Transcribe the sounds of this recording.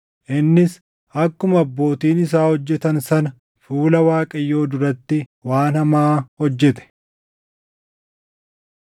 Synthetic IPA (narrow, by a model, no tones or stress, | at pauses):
ʔɪnːɪs | ʔɐkːʊmɐbːo̞ːt̪iːnɪs̬aːhɔd͡ʒːɛt̪ɐnsɐnɐ | fuːlɐwaːkʼɐjːo̞ːd̪ʊɾɐt̪ːɪwaːnhɐmaːhɔd͡ʒːɛt̪ɛ̥